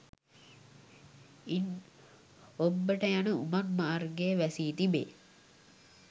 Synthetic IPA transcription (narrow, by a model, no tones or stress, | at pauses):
in | obːəʈəjanəumat̪maʔːrɡeʋæsiːt̪ibḛː